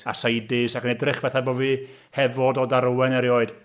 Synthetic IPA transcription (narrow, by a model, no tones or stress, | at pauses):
a̰sajdɪsakənɛdrɪχvɛθaboːviː | hɛvɔdɔdaɾuwɛnɛɾjoːɨd̥